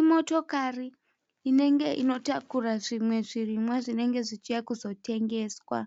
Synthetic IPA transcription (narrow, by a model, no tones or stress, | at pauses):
imo̞to̞kariː | ne̞ŋɡe̞ʔino̞takuraʐimwe̞ʐirimwaʐine̞ŋɡe̞ʐit͡ʃijakuzo̞te̞ŋɡe̞ːswa̰